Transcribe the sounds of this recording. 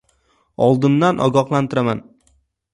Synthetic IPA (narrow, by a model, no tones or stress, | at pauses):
ɒlˠd̪ɪnd̪anʔɒ̰ɡɒqlˠant̪ʰɪɾaman